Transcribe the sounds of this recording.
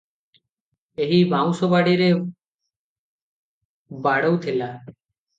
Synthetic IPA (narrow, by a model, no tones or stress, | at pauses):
eɦibaw̃sobaɽiɾe | baɽowt̪ʰela